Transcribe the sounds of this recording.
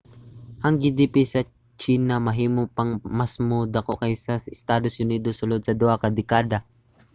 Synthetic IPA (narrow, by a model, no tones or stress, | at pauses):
ʔɐŋɡɪd̪ɪpisɐ | t͡ʃiːnɐmɐɦiːmopɐŋmasmod̪ɐkokɐjsɐsɪst̪aːd̪osʊniːd̪osʊlod̪̚sɐd̪ʊakɐd̪ɪkaːd̪ɐ